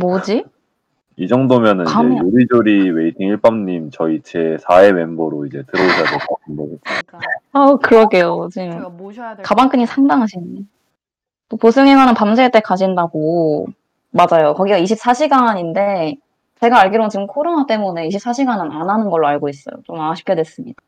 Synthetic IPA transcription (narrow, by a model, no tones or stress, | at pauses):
mod͡ʑi | id͡ʑʌŋdomjʌnɯnajoɾid͡ʑoɾiwe̞itʰiŋiɭp͈amɲimt͡ɕʌit͡ɕʰesʰae̞we̞mboɾoid͡ʑe̞tɯɾʌuɕʰadekatʰɯnbo | ʌkɯɾʌɡe̞jot͡ɕimkabaŋk͈ɯɲisʰaŋdaŋɦaɕʰine | t͈opos̬ʰɯŋeɡwanɯnpamsʰeɭt͈ekad͡ʑindaɡo | mad͡ʑajokʌɡiɡaiɕʰip̚s͈aɕʰiɡaɲinde̞ | t͡ɕe̞ɡaːɭɡiɾoŋɯnt͡ɕiɡɯmkʰoɾonat͈e̞mune̞iɕʰip̚s͈aɕʰiɡanɯnananɯnɡʌɭːoaɭɡois͈ʌ̰jo̰t͡ɕomaŋaɕʰi̥pkʰjʌdwes͈ɯmɲida